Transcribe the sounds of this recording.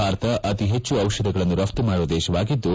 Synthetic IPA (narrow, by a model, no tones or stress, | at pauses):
aːɾɐt̪ɐʔɐt̪iɦet͡ʃːuɐʋʃɐd̪ɐɡɐɭɐnːuɾɐft̪ɐmaːɽuʋɐd̪eːʃɐʋaːɡid̪ːu